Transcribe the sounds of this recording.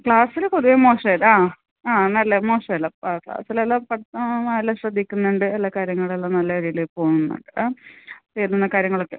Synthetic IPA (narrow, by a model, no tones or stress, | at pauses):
kɭaːsilkoðiʋemo̞ːʂelaː | aːnɐlːemo̞ːʂelːɐpaːkɭa̰ːsilelːapɐɐlːɐɕrɐd̪ʱikʲːunːuɳɖɨelːakaːɾjɐŋːɐɭelːanɐlːɐɾiilepo̞ːŋunːṵɳɖɨaːt͡ɕejɾinːunːɐkaːɾjɐŋːɐɭokːe